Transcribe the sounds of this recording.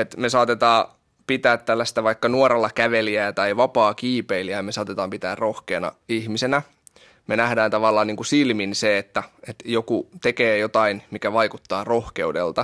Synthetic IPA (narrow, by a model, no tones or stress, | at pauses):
et̪mesɑːt̪et̪ɑː | pit̪æːt̪t̪ælːæst̪æʋɑikːɑnuoɾelːɑkæʋeliæːt̪ɑiʋɑpɑːkiːpeiliæmesɑːt̪et̪ɑːmpit̪æːrrohkeːnɑ̰ihmisenæ | menæhdæːnt̪ɑʋɑlˑːɑːniːŋkusilminseet̪ːæet̪jokut̪ekeːjot̪ɑinmikæʋɑikut̪ːɑːrohkeudḛlt̪ɑ